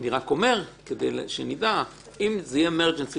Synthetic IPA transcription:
niʁako̞me̞ʁked̪ḛjlʃenid̪a | imzejemeʁd͡ʒensi

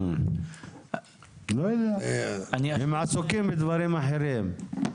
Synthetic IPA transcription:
lolaanhɪmʕasʊkiːmbɪd̪vɑɾiːmːaħiɾiːm

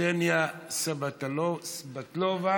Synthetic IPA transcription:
enjasabatsbat̪lova

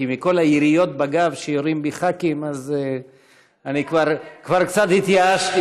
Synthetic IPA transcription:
imiko̞lajiɾijo̞t̪baɡavʃejoɾimbiχakimaz | anikvaʁkvaʁkt͡sat̪hit̪jaaʃti

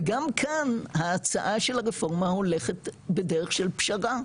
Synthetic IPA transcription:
ɡamkʰanhaːt͡sa̰ʔaʃelhaʁefo̞ʁmaho̞leχetbedeʁeχʃelpʃaʁa

